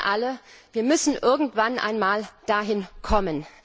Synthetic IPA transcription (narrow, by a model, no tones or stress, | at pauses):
ʔaləviːɐmʏsn̩ʔɪɐɡŋ̩tv̥anʔa̰ɪnmaːld̥aːɦɪnkʰɔmən